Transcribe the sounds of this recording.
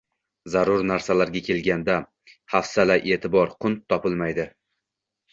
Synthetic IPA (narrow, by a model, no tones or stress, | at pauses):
zaɾʊɾnaɾsalaɾɡʲakʲʰe̞lɡʲand̪a | hafsalaʔe̞ːt̪ʰɪbɒɾqʰʊnt̪ʰːɒpʰɪlmajd̪ɪ